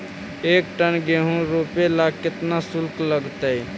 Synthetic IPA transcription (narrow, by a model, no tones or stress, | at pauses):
ekʈənɡeɦũɾopelaɡ̚kɪt̪nasulkləɡt̪əj